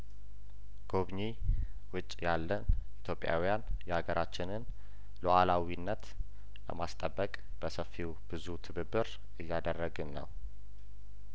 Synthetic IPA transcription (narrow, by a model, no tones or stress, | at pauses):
ɡ̥o̞βɲi | wʊt͡ʃʼːjalːənʔit̪ʰjo̞pʼja̰wijanjɛhaɡəɾʔat͡ʃːɪnɨn | luʔalawinːət̪ | lə̰mast̪ʼəbːəkʼ | b̥əsəfːiwb̥ɨzut̪ʰɨβɨbɨɾ | ɨjːad̪ərːəɡɨnːə̰w